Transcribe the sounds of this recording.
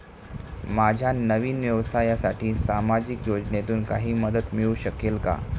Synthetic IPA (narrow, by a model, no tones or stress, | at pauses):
mad͡ʑʱjanəʋiːnʋjəʋsajasaʈiːsamad͡ʑikjod͡ʑnet̪uːnkaɦiːməd̪ət̪miɭuːɕəkelka̰